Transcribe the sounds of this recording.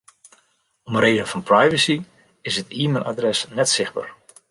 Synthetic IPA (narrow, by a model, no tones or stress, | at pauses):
ɔməreːdənfɔnprajvəsi | ɪsətiːmɪlˠʔa̰drɛsnɛtsɪxba̰ːr